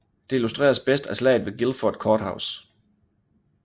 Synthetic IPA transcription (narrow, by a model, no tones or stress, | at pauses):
d̥e̝ilusd̥ʁḛːɐsb̥esd̥æslɛ̰ɪðˠʋe̝ɡ̥ilfɒd̥̚kʰɒːd̥häʊs